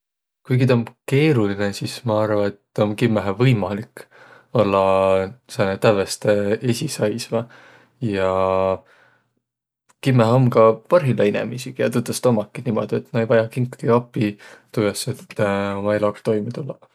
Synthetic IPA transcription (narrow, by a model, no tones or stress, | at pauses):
kujkid̪eomke̞ːɾulinesismɑɑrvɑet̪ːomkimːæɦevɤjmɑlik | o̞lːɑsenet̪ævest̪eesʲisɑjsvɑ | jɑ | kimːæɦo̞mkɑpɑrɦilɑinḛmisiɡ̥ɑjɑt̪ut̪ːˑɑst̪omɑkːˑinimo̞̰d̪̥ie̞t̪ːmɑejvɑjɑkiŋkɡ̥iɑpːˑit̪ujeset̪ːmɑelɑkst̪o̞jmit̪ulːɑ